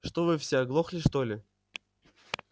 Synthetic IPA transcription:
ʂt̪ovɨfsʲeɐɡlˠoxlʲɪʂt̪olʲɪ

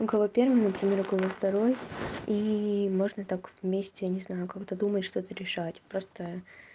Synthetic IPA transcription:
ʊkɐvˠopʲe̞rvɨjnəpɾʲɪmʲe̞ɾʊkəvˠoft̪ɐɾo̞jimo̞ʐnət̪akvʲmʲesʲtʲɪnʲɪznajʊkakt̪əd̪umətʲʂt̪o̞t̪əɾʲɪʂatʲpɾo̞st̪ə

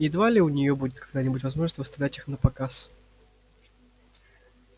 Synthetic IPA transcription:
ɪd̪valʲɪʊnʲɪjobudʲɪt̪̚kɐɡ̚d̪anʲɪbutʲvɐzmoʐnst̪vɨst̪ɐvlʲætʲixnəpɐkas

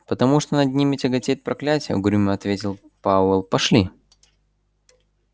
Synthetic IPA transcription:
pət̪ɐmuʂt̪onɐd̪̚ʲnʲimʲɪtʲɪɡɐtʲet̚ʲpɾɐklʲætʲɪjə̰ɡʊɾʲumʲəɐt̪vʲetʲɪlˠ | paɛlˠpɐʂlʲi

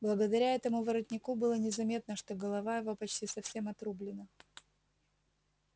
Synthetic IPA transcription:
blˠəɡəd̪ɐɾʲaɛt̪əmʊvəɾɐtʲnʲɪkubɨlˠənʲɪzɐmʲe̞t̪nəʂt̪o̞ɡəlˠɐvajɪvo̞pɐt͡ɕtʲisɐfsʲe̞mɐt̪ɾublʲɪnə

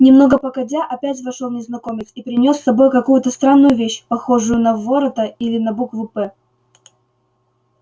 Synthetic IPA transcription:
nʲɪmno̞ɡəpəkɐdʲaʔɐpʲætʲvɐʂolˠnʲɪznɐko̞mʲɪt͡sʲipɾʲɪnʲo̞sːɐbo̞jkɐkujʊt̪əst̪ɾanːʊjʊvʲeɕpɐxo̞ʐʊjʊnɐvoɾət̪əilʲɪnɐbukvɨpɛ

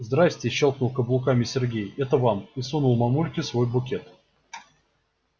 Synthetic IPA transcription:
zd̪ɾasʲtʲɪɕːolˠknʊlˠkəblˠʊkamʲɪsʲɪrɡʲejɛt̪əvamisunulˠmɐmulʲkʲɪsvo̞jbʊkʲet̪

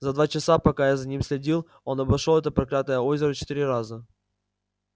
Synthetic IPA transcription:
zɐd̪vat͡ɕɪsapɐkajazɐnʲimsʲlʲɪdʲilˠ | o̞nɐbɐʂolˠɛt̪əpɾɐkɾʲat̪nəjəo̞zʲɪɾət͡ɕɪ̥t̪iɾʲɪɾazə

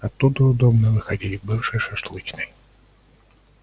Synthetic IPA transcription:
ɐt̪ːud̪əʊd̪obnəvɨxɐdʲilʲɪbɨfʂɨʂɨʂt̪lˠɨt͡ɕnɨj

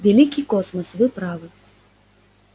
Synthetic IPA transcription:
vʲalʲikʲikɔsmɐsvɨpɾavɨ

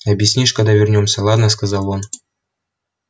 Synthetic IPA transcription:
ɐbʲjisʲnʲiʂkad̪ɑvʲɪrnʲomsʲɐlˠɑd̪nəskazɑlˠon

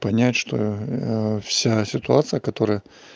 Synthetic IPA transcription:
pɐnʲætʲʂt̪o̰ | fsʲasʲɪt̪ʊat̪sɨjəkɐt̪o̞ɾɨjə

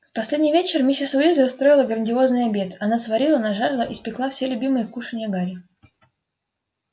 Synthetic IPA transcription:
fpɐsʲlʲedʲnʲɪjvʲet͡ɕɪrmʲisʲɪsʊizəʊst̪ɾo̞ɪlˠəɡɾənʲdʲɪo̞znɨjɐbʲe̞t̪ɐnasvɐɾʲilˠənɐʐaɾlˠəʔispʲɪklˠafsʲelʲʊbʲimɨjəkuʂɨnʲɪjəɡaɾʲɪ

